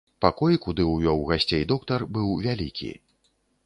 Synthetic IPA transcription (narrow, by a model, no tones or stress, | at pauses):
pakɔjkud̪ɨwjɔwɣasʲt͡sʲejd̪ɔkt̪ɐrbɨwvʲalʲikʲʰḭ